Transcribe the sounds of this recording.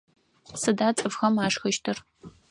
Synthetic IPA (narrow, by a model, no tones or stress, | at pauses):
sɨdaːt͡sʼɨvxɐmaːʂxɐʃtʰɨr